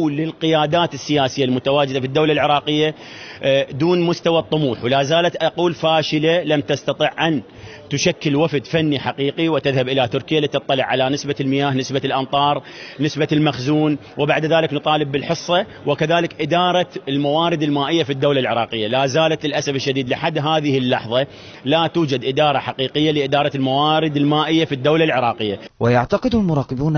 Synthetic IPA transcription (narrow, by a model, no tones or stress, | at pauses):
lɪlqɪjaːd̪aːt̪ɪsːɪjaːsɪjːalmʊt̪awaːd͡ʒɪd̪afid̪ːawlalʕɪɾˤɑːqɪjːa | d̪uːnmʊst̪awɑt̪ˤːʊmuːħwlaːzaːlat̪ʔɑquːlfaːʃɪlalamt̪ast̪ɑt̪ˤiʕʔan | t̪ʊʃakːɪlwafd̪fanːiħaqiːqiwɪt̪ɪðhabʔɪlat̪ʊɾkɪjalit̪ɨt̪ˤːɑlɪʕːalanɪsbalmɪjaːhnɪsbalʔɑmt̪ˤɑːɾˤ | nɪsbalmaxzuːn | wɪbaʕd̪ðaːlɪknɨt̪ˤɑːlɪbːɪlħɨsˤːɑ | wɪkaðaːlɪkʔɪd̪ɑːɾˤɑɪlmawaːɾɪd̪ɪlmaːʔɪjːafid̪ːawlalʕɪɾˤɑːqɪjːalaːzaːlat̪ɪlʔasafɪʃːad̪iːd̪lɪħad̪ːɦaːðɪhɪlːɑ̰ħðˤɑ | lat̪uːd͡ʒad̪ʔɪd̪ɑːɾˤɑħaqiːqɪjːalɪʔɪd̪ɑːɾˤɑɪlmawaːɾɪd̪ɪlmaːʔɪjːafid̪ːawlalʕɪɾˤɑːqɪjːawɪjaʕt̪aqɪd̪mʊɾˤɑːqɪbuːn